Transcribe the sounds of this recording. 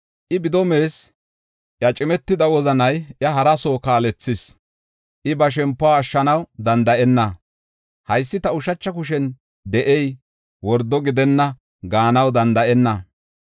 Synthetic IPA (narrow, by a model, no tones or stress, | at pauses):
ʔɪbɪd̪ɔme̞ːs | jɐt͡ʃʼɪmɛt̪ːɪd̪ɐwɔzɐnɐjjɐɦɐɾɐsoːkaːlɛt͡sːɪs | ʔɪbɐʃ̬ɛmpːʊaːʃːɐnɐwd̪ɐnd̪ɐʔɛnːɐ | hɐjsːɪt̪ɐʊʃɐt͡ʃːɐk̬ʊʃ̬ɛn | d̪ɛʔɛj | wɔɾd̪ɔɡɪd̪ɛnːɐ | ɡaːnɐwd̪ɐnd̪ɐʔɛnːɐ